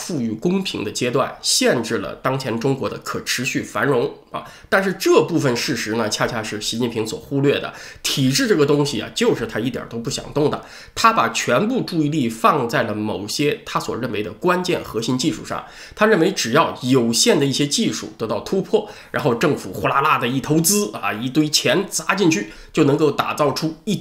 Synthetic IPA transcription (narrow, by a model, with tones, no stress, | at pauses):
fu˥˧y˥˩kʊ˥ŋpʰḭ˧˥ŋd̪ə˧t͡ɕjɛ˥t̪wa̰˥˩nɕjɛ˥˧nʈ͡ʂɻ̩˥˩lə̰˩t̪ɑ˥ŋt͡ɕʰjɛ˧˥nʈ͡ʂʊ˥ŋkwɔ˧˥d̪ə˧kʰɤ˨˩ʈ͡ʂʰɻ̩˧˥ɕy˥˩fa˧˥nɻʊ˧˥ŋ | ɐ̰˨˩t̪a˥˧nʂɻ̩˥˧ʈ͡ʂɤ˥˧pu˥˩fə˩nʂɻ̩˥˩ʂɻ̩˧˥nə˧t͡ɕʰja˥˧t͡ɕʰja˥ʂɻ̩˥˩ɕi˧˥t͡ɕi˥˩npʰi˧˥ŋswɔ̰˨˩xu˥lɥɛ˥˩d̪ə̰˩t̪ʰi˨˩ʈ͡ʂɻ̩˥˧ʈ͡ʂɤ˥˩ɡə˩t̪ʊ˥ŋɕi˨˩a̰˩t͡ɕjo˥˧ʊʂɻ̩˥˩t̪ʰa˥i˥˩t̪jə̰˨˩t̪o˥ʊp̬u˥˩ɕjɑ̰˨˩ŋt̪ʊ˥˩ŋd̪ə̰˩ | t̪ʰa˥pa˨˩t͡ɕʰɥɛ˧˥npu˥˧ʈ͡ʂu˥˧i˥˧li˥˩fɑ˥˧ŋt͡sa˥˩ɪlə˩mo˨˩ʊɕjɛ˥t̪ʰa˥swɔ̰˨˩ɻə˥˩nwe˧˥ɪd̪ə˧kwa˥nt͡ɕjɛ˥˩nxɤ˧˥ɕi˧˥nt͡ɕi˥˧ʂṵ˥˩ʂɑ̰˥˩ŋ | t̪ʰa˥ɻə˥˩nwe˧˥ɪʈ͡ʂɻ̩˨˩jɑ˥˩ʊjo˨˩ʊɕjɛ˥˩nd̪ə˩i˥˩ɕjɛ˥t͡ɕi˥˧ʂṵ˥˩t̪ɤ˧˥t̪ɑ˥˩ʊt̪ʰu˥pʰwɔ˥˩ɻa˧˥nxo˥˧ʈ͡ʂɤ˥˩ŋfṵ˨˩xu˥la˥la˥˩d̪ə˩i˥˩t̪ʰo˧˥ʊt͡sɹ̩˥ɐ̰˨˩i˧˥t̪we˥ɪt͡ɕʰjɛ˧˥nt͡sa˧˥t͡ɕi˥˧nt͡ɕʰy˥˩ | t͡ɕjo˥˩ʊnɤ˧˥ŋko˥˩ʊt̪a̰˨˩t͡sɑ˥˩ʊʈ͡ʂʰu˥i˥˩